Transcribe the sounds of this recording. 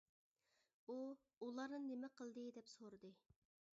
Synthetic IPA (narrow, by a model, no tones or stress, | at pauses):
u | ulˠɑɾnɨnnemɛqʰəlˠd̪ɨd̪ɛpsoɾɨd̪ɨ